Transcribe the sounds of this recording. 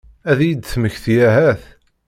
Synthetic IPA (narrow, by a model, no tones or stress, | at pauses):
æðjid̪θməçθjæɦæθ